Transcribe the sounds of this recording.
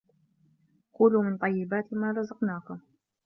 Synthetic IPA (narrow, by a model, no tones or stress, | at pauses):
quːluːmɪnt̪ˤɑjːɪbaːt̪maːɾˤɑzɑqnaːkʊm